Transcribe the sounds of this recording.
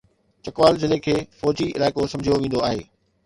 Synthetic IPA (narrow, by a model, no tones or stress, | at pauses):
t͡ɕɐkʋaːlzɪlekʰeːfɔːd͡ʑiɪlaːɪkosɐ̃md͡ʑʱijoʋẽːn̆d̪oaːɦḛː